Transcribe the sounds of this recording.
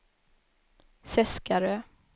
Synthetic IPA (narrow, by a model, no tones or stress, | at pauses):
sɛskaɾøː